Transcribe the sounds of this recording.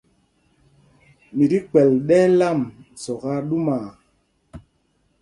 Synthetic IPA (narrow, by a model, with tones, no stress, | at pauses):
mi˨di˦k͡pɛ˨lɗɛ˦la˦˨msɔ˨ɣa˦ɗu˦ma˨